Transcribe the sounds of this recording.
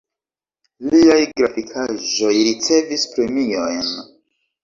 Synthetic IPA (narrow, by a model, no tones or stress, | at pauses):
liajɡɾafikʰaʒo̞jɾit͡se̞vispɾe̞mio̞jn